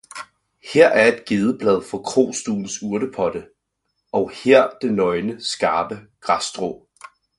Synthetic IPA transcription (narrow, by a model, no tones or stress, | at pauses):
heɐ̰ʔæɐe̝d̥ɡ̥e̝ːð̞ˠəb̥lɛðˠfɒ̽kʰʁo̝̰ːsd̥ṵːn̩suɐɾəpʰɒ̽d̥ə | ɒ̽ʊheɐ̰d̥e̝nɒ̽ɪnəsɡ̥ɑ̈ːb̥əɡ̥ʁɑsd̥ʁo̰ː